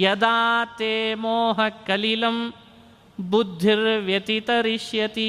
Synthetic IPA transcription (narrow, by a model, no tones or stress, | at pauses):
jɐd̪aːt̪eːmoːɦɐkɐlilɐm | bud̪ʱːiɾʋjɐt̪it̪ɐɾiʃjɐt̪i